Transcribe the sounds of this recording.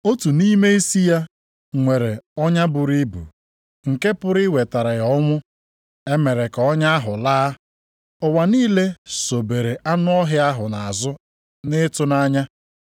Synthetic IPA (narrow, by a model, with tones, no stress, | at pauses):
o˦tu˨niː˦me˦i˦si˦ja˦ | ŋʷe˨ɾe˨ɔ˦ɲa˦bʊ˨ɾi˦bṵ˨ | ŋ̩˨ke˦pʊ˦ɾɪ˦we˨ta˨ɾa˨jɔ˦ŋʷʊ˦ | e˦me˨ɾe˨kɔ˦ɲa˦a˦ɦʊ˨laː˦ | ʊ˨wa˨niː˦le˦so˨be˨ɾe˨ʔa˦nʊ˦ɔ˦ɦɪ˦a˦ɦʊ˨na˨a˨zʊ˦ | nɪ˦tʊ˦na˦ɲa˦